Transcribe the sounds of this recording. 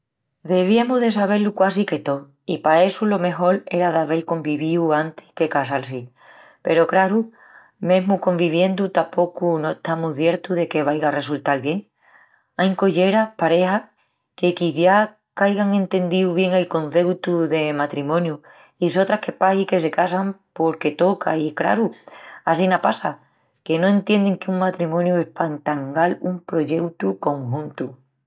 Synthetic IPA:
ðe̞β̞iamuðe̞s̬aβ̞e̞lukwasike̞t̪o̞ | ipae̞sulo̞me̞ɦo̞le̞ɾaðaβe̞lko̞mbiβiuant̪e̥ke̞kasals̬i | pe̞ɾo̞kɾaɾu | mẽ̞ɦmuko̞mbiβje̞nd̪ut̪apo̞kunoet̪amuðje̞ɾt̪uðe̞ke̞βajɣare̞sult̪alβje̞ŋ | ajŋko̞ʝe̞ɾapaɾe̞ha | ke̞kiθja | kajɣaŋẽ̞nt̪e̞nd̪iwβje̞ŋe̞lkõ̞nθe̞wt̪uðe̞mat̪ɾimõ̞nju | iso̞t̪ɾahke̞pahike̞se̞kasampo̞ɾke̞t̪o̞kʰa̰ikɾa̰ɾuas̬inapasa | ke̞no̞ẽ̞nt̪je̞nd̪e̞ŋkeuŋmat̪ɾimõ̞njue̞hpant̪aŋɡalumpɾo̞ʝe̞wt̪uko̞ŋɦũnt̪u

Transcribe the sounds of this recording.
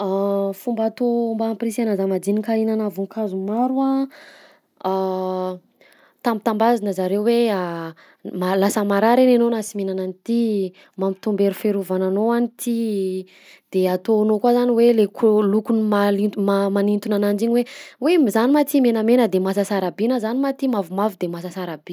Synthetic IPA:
afumbat̪ombaːmpɾisanazamad͡ʒ̪inikainanavuŋkʰazumaɾua | a | t̪ambit̪ambazinəzaɾewwea | malasəmaɾaɾenenonasimenananit̪i | mamit̪umbeɾufeɾuvananoanit̪ʰi | d̪̥eat̪onokwazaniwelekulukunimalimamanint̪unanand͡ʒiɲiwewemzanimat̪imenəmenəd̪emasasaɾabinəzanimat̪imavumavd̪emasasaɾab̥i̥

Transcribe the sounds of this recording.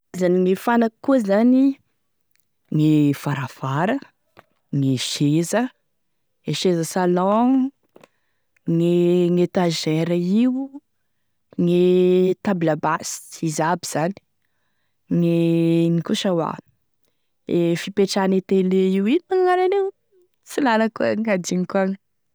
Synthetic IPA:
zaniŋifanaki̥kuəzani | ŋefaɾafaɾə | ŋeʃezə | eʃezəsalɔ̃ | ŋeŋet̪aʒɛɾəiw | ŋet̪ablabasi̥izabiz̥ani̥ | ŋeŋikuʃawa̰ | efipeʈ͡ʂanit̪eleiwimaŋŋaɾanew | t͡silaləkuəŋɡad̪iŋikuaŋə̥

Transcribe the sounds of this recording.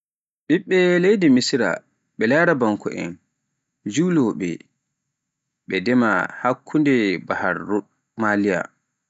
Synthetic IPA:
ɓiɓːɛlejdimisɾa̰ | ɓɛlaːɾabaŋkɔ̰ʔɛ̰n | d͡ʒuːlɔɓɛ̰ | ɓɛdɛma̰hakʰːundɛbaha̰ɾːu | malija̰

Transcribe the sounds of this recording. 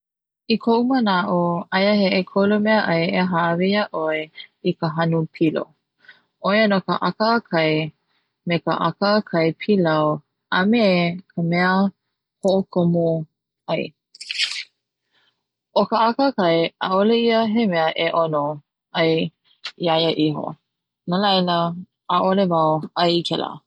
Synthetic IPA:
ikʰoʔumənaʔoɐjəɦeʔekʰolomɛəʔɐjeɦaʔvijaʔoeikəɦɐnupʰilo̰ | ʔojanokəʔakəkʰɐj | mekə̰ʔa̰kəkʰɐjpʰilaw | ɐmekʰəmɛə | hoʔokʰomo | ɐj | ʔokəʔakəkɐjʔaʔoleiəɦemɛəʔeʔono | ɐj | iajəʔiɦo̰ | nalɐjləː | ʔolevawɐjikʰɛlə̰

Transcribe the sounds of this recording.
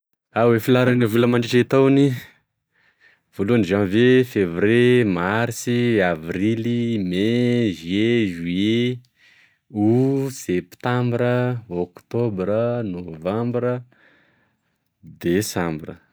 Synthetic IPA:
awefilaɾanəvuləmaɳɖ͡ʐiʈ͡ʂet̪awni | v̥oluaniʒanvefevɾemaɾsiavɾilimeʒeʒue | usept̪ãmbɾəokt̪obɾənovãmbɾə | d̪esãmbrə̰

